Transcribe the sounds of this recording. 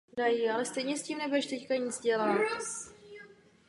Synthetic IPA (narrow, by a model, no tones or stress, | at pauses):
dajialɛst̪ɛjɲɛsciːmnɛbuɛʃt̪ɛckaɲid͡zɟɛlat̪